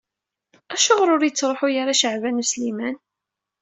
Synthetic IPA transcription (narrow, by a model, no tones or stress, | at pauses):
æʃʊʁɾˤʊɾjət͡sːɾˤoħʊjaɾaʃəʕvænuslimæn